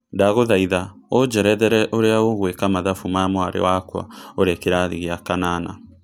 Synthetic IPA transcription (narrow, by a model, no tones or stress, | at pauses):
ndaɣoðaiða | od͡ʒɛɾɛðɛɾɛʔoɾeaoɣwekamaðafumamwaɾḛwakwa̰oɾekeɾaðiɣeakanana̰